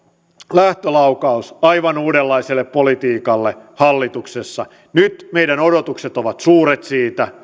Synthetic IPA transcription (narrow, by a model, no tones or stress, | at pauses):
læht̪ølɑukɑusɑiʋɑnuːdelːɑiselːeppolit̪iːkɑlːehɑlːit̪uksesːɑ | nyt̪meijdænodot̪ukset̪oʋɑt̪suːɾet̪siːt̪æ